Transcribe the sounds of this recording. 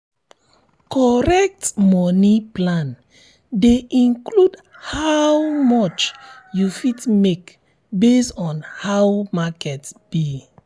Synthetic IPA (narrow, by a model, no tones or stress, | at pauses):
kʰɔɹɛk̚tmɔniplãn | deʔĩnkludhawmɔt͡ʃjufitmek | besɔ̃nhawmakɛtb̥i